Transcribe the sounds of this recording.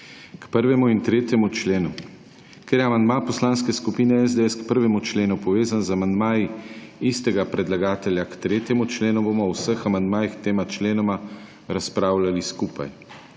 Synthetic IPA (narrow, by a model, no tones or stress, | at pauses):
kpəɾʋɛmuint̪ɾeːt̪jɛmut͡ʃleːnu | keːɾjɛamand̪maːpɔslaːnskɛskupiːnɛɛzd̪eɛskpəɾʋɛmut͡ʃleːnupɔʋeːzanzamand̪maːjiist̪ɛɡapɾɛd̪laɡaːt̪ɛljakt̪ɾeːt̪jɛmut͡ʃleːnubomɔwsəxamand̪maːjixt̪eːmat͡ʃleːnɔma | ɾaspɾaːwlaliskupa̰j